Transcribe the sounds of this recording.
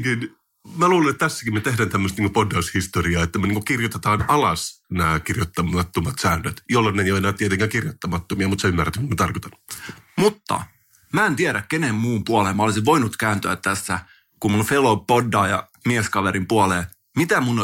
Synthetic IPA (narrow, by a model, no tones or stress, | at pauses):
kin | mæluːlenet̪ːt̪æsːæ̥kimet̪ehdænt̪æmːəst̪niːŋkopodːɑushist̪oriɑːet̪ːæmeniːŋkokirjot̪et̪ɑːnɑlɑsnæːkirjot̪ːɑmɑt̪ːomɑt̪sæːnːøt̪jolːonːejoenæːt̪iet̪eŋkæːŋkirjot̪ːɑmɑt̪ːomiɑmut̪seymːæræt̪ːoniːŋkont̪ɑrkot̪ɑnːu̥mut̪ːɑ̰ | mæːent̪ieɾækkenemmuːmpuɑleːmɑolisiʋʋoinut̪kæːnt̪yøæt̪t̪æsːæ | kummunfelopodːɑːjɑ̰ | mieskɑʋeɾimpuɑleː | mit̪æmun